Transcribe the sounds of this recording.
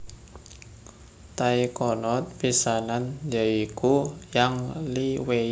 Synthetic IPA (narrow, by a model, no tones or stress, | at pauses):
t̪aikɔnɔt̪̚pisanand͡ʒaikujaŋliwe